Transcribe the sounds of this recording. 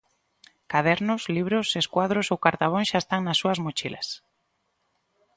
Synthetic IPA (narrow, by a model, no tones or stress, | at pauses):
kaðɛɾnʊsliβ̞ɾʊseskwaðɾʊsowkaɾt̪aβ̞õŋʃaest̪aŋnasːuɐzmot͡ʃila̰s